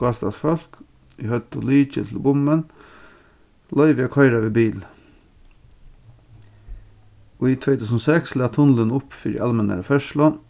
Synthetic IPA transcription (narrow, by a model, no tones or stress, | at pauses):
ɑːst̪ɑsfɔlk | ʔihœt̪ʰɔlyːt͡ʃə̰t̪ʰl̩bʊmən | lœʏʋɪɑkʰɑɪɾɑʋeːbiːl | oːiːt̪ʰʋeɪt̪ʉːsnoːsækslæːt̪ʰʊnlənʊpːfiɾɪ̰ʔɑlmɛnæ̰ɾəfœʃlɑ